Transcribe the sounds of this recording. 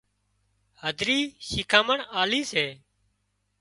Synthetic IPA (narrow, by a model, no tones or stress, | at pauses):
həd̪ʱɾiːʃiːkʰãːməɳaːliːseː